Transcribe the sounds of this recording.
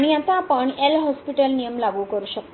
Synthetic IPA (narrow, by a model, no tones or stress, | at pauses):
ɽ̃iat̪aːpəɳelɦɔspiʈəlnijəmlaɡuːkəɾuːɕək̪̚